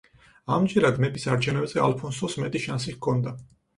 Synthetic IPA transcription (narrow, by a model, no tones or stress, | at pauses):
amd͡ʒɛɾad̪mɛbisaɾt͡ʃʰɛnɛbzɛa̰lˠpʰɔnsɔsmɛt̪ʼiʃansikʰɔnd̪a